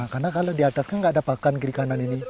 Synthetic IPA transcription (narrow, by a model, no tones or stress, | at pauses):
karnakaladiat̪askanŋɡaʔdapakankiɾikananini